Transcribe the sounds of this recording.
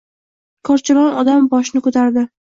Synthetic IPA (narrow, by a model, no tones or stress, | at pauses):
kʰɒɾt͡ʃʰɪɾɒnɒd̪ambɒʃnɪkʰɵt̪ʰaɾd̪ɪ